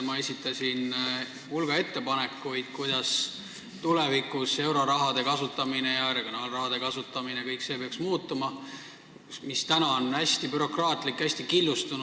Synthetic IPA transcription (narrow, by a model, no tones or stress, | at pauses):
mɑe̞sʲit̪ːˑɑsʲin | hulɡ̥ɑe̞t̪ːe̞pɑne̞kːujd̪̥kujd̪̥ɑs | t̪ulevikuse̞wɾo̞ɾɑɦɑd̪̥e̞kɑsut̪ːˑɑmine̞jɑreɡ̥jonɑːlrɑɦɑd̪̥e̞kɑsut̪ːˑɑmine̞kɤjkːse̞ːpeɑksmuːt̪ːˑumɑ | mist̪ænɑonæsʲt̪ipyɾo̞krɑːt̪ˑlikːˑæsʲt̪ikilːust̪un